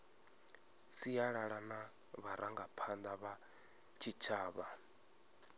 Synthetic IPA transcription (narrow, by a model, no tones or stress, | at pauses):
sijaɺaɺana | βaɾaŋɡapʰand̪aβa | t͡ʃʰit͡ʃʰaːβa